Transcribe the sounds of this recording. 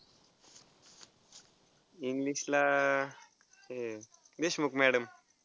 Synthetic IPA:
iŋɡliɕla | e | d̪eɕmukmɛɽəm

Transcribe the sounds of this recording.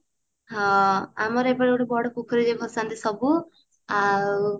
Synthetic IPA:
ɦɔ̃a̰mɔɾebɔɽeoʈebɔɽɔkukʰɔɾid͡ʒebʱɔɾsant̪isɔbu | a

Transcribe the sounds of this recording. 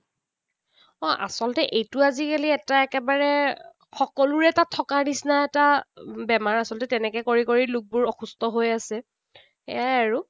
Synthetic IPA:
ɔʔa̰sɔlɔtɛʔejtʊazikaliɛtaɛkɛbaɹɛ | xɔkɔlʊɹɛtatʰːɔkanisnaɛtabɛmaɹasɔltɛtɛnɛkɛkoɹikoɹilʊk̚bʊɹɔxustɔɦojasɛ | ḛjajaɹu

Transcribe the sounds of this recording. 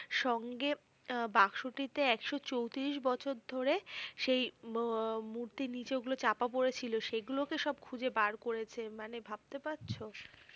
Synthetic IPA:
ʃɔŋɡe | bakʃoʈit̪eɛkʃot͡ɕowt̪iɾiʃ̬bɔt͡ɕʰoɾd̪ʱoɾeʃej | muɾt̪inid͡ʑeɡulot͡ɕapap̬oɾet͡ɕʰiloʃeɡulokeʃɔb̚kʰud͡ʑebaɾkoɾet͡ɕʰemanebʱab̥̚t̪epatːɕʰo

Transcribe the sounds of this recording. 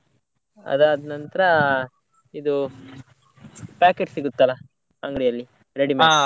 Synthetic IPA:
ɐ̰d̪ɐːd̪nɐnt̪ɐɾɐ | id̪u | paːkeʈsiɡut̪ːɐlɐ | ɐŋɡɽijɐlːi | ɾeɽimaa

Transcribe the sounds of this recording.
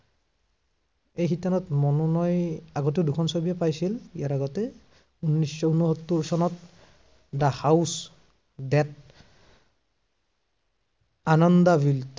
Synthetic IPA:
ejxitanɔtmɔnunɔjaɡɔteʊdukʰɔnsobijapajsilijaɹaɡɔtɛ | unːisːɔunuɦɔtːuɹsɔnɔt̚ | dahaws | dɛt̚ | anɔndabʱilt

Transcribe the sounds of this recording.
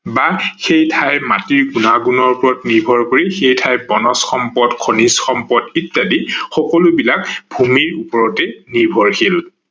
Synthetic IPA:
baxejtʰajmatiɹɡunaɡunɔɹpʊɹɔtniɹbʱɔɹkoɹixejtʰajbɔnɔsxɔmpɔdkʰonisxɔmpɔditːadixɔkɔlʊbilakbʱumiɹupɔɹɔtɛniɹbʱɔɹxil

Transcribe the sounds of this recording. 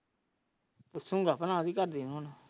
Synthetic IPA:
posʊ̃ŋɡaːpənãːd̪iːkəɾd̪iːnõːna

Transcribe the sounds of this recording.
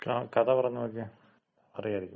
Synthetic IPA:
klaːkɐðɐpɐrɐɲːɐokːe | ɐrijaːiɾikʲːu

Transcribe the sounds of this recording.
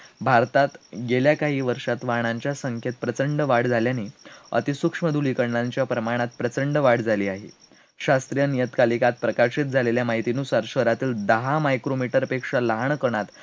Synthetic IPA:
bʱaɾt̪at̪ɡeljakaɦiːʋəɾʂat̪ʋaɳ̃aɲt͡ɕjasəŋkʰjet̪̚pɾət͡səɳɖəʋaɽd͡zʱaljaneə̰t̪isukʂməd̪ʱulikəɾɳaɲt͡ɕjapɾəmaɽ̃at̪̚pɾət͡səɳɖəʋaɽd͡zʱaliːaɦḭ | ɕast̪ɾijənijət̪kalikat̪̚pɾəkaɾɕit̪̚d͡zʱaleljamaɦit̪inusaɾɕʋəɾat̪iːld̪əɦamajkɾomiʈəɾəpekʂaləɦaɳkəɳ̃at̪

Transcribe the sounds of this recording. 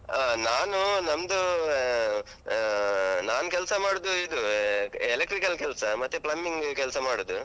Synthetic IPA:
naːnunɐmd̪u | naːnukɛlsɐmaːɽud̪uid̪uelekʈɾikɐlkɛlsɐmɐt̪ːuplɐmːiŋɡkɛlsɐmaːɽud̪u

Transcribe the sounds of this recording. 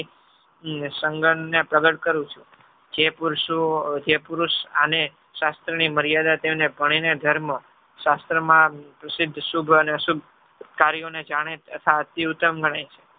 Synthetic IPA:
səŋɡəɳnepɾəɡəʈkəɾũt͡ʃʰũ | d͡ʒepuɾʃud͡ʒepuɾuʃane | ʃast̪ɾəniməɾijad̪at̪emnebʱəɽ̃ined̪ʱəɾmə | ʃast̪ɾəmãpɾəsɪd̪ʱːʃubʱəneəsub̚ʱ | kaɾijoned͡ʒaɽ̃eət̪ʰat̪ːiut̪ːəmɡəɽ̃ajt͡ʃʰe̥

